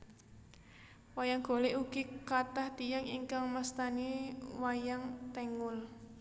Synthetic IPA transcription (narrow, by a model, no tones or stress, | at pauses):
wajaŋɡ̥o̤leʔuɡ̥ikat̪aht̪ijaŋiŋkaŋmast̪aniwajaŋt̪ɛŋʊl